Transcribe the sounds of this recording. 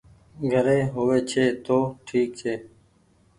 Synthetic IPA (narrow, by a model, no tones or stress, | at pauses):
ɡʱəɾeːɦoːʋeːt͡ʃʰeːt̪oːʈʰiːk̚t͡ʃʰeː